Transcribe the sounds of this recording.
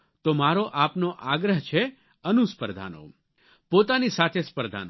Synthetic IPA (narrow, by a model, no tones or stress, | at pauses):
t̪omaɾoʔapnoʔaɡɾəɦt͡ʃʰe | ənuspəɾd̪ʱa̰no̰ | pot̪anisat̪ʰespəɾd̪ʱa̰no